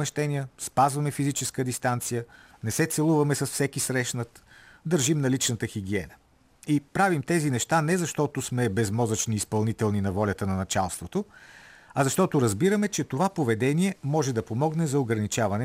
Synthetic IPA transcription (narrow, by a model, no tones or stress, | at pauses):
mɛʃt̪ɛnijəspazvɐmɛfizit͡ʃɛskəd̪ist̪ant̪sijənɛsɛt̪sɛlˠuvɐmɛsɐsfsɛkisɾɛʃnət̪d̪əɾʒimnɐlit͡ʃnət̪əxiɡ̟iɛnə̥ | ipɾavimt̪ɛzinɛʃt̪anɛzɐʃt̪ɔt̪osmɛbɛzmɔzət͡ʃniːspɐlˠnit̪ɛlˠninɐvɔlʲət̪ənɐnɐt͡ʃalˠst̪vot̪o | ɐzɐʃt̪ɔt̪oɾɐzbiɾəmɛt͡ʃɛt̪ovapovɛd̪ɛniɛmɔʒɛd̪ɐpomɔɡnɛzɐoɡɾɐnit͡ʃavɐnɛ